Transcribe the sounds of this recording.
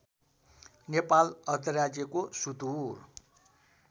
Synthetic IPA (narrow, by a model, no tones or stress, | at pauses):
nepalʌrt̪ʌrjad͡zjʌkosud̪ur